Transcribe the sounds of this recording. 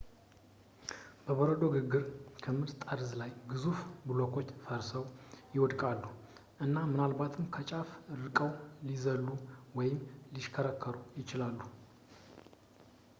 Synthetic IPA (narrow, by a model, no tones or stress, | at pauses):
b̥əβoɾəd̪o̞ɡɨɡɨɾkʰəmɨɾt̪t̪ʼaɾzlajɡɨzufbɨlokʰo̞t͡ʃːfəɾsəwjɪwɔd̪kʼalːu | ʔɨnːamɨnalbat̪ʰɨmkʰət͡ʃʼafɾɨkʼəwlizəlːuwɔjɪmliʃkʰəɾəkʰːəɾujɪt͡ʃɪlalːu